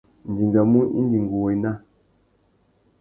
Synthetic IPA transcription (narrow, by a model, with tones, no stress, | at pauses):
n̩˨d͡ʒi˨ŋɡa˨mu˦ʔḭ˦n˦d͡ʒi˨ŋ˨ɡu˨wo˨i˨˦na˦˨